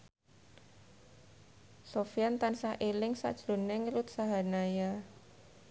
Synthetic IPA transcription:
sofiant̪ansahʔelɪŋsa̰ʔd̥ʒ̥ɾo̤nɛŋəlʊt̪̚saɦanaja

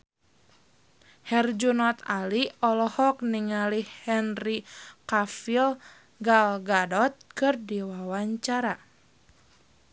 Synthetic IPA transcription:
hɛrd͡ʒunɔt̪aliɔlɔhɔk̚niŋalihɛnrikafil | ɡalɡadɔt̪̚kɨrdiwawaɲt͡ʃaɾa

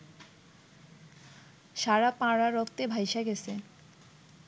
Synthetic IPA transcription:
ʃaɾapãɽaɾokt̪ebʱajʃaɡesʰe

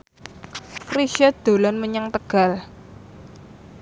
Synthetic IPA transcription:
fɾiʃad̪̥o̤lɔnməɲaŋt̪əɡ̥a̤l

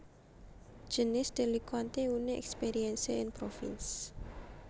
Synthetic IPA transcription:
d̥ʒ̥ənɪsd̪̥elikant̪euneʔɛ̰kspeɾiɛnseɪnpɾofḭns

